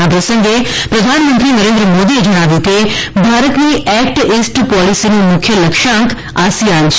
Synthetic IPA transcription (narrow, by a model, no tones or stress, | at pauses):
ab̪ɐsɐ̃ŋɡʱepɾɐd̪ʱaːnmə̃nt̪ɾinɐɾẽnd̪ɾəmoːd̪id͡ʑɐɽ̃aːʋĩt̪ebʱaːɾət̪mẽʔɛːkʈeːsʈpɔːlisinũmʊkʰjəlɐkʃãːŋk | a̰ːsijaːnʰ